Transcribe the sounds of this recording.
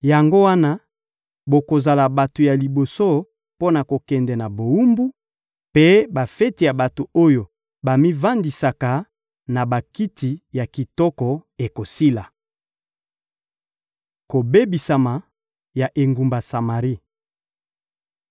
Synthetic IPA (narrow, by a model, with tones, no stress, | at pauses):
ja˨ŋɡo˦wa˦na˦ | bo˨ko˨za˨la˨ba˨to˨ja˨li˨bo˨so˦ | po˦na˨ko˨kɛ˨ndɛ˨na˨bo˨u˦mbu˦ | pe˦ba˨fɛ˦ti˨ja˨ba˨to˨o˦jo˨ | ba˨mi˦va˦ndi˨sa˨ka˨ | na˨ba˨ki˦ti˨ja˨ki˨tɔ˦kɔ˨e˨ko˨si˦la˨ | ko˨be˦bi˨sa˨ma˨ | ja˨ʔe˨ŋɡu˨mba˨sa˨ma˨ʁi˦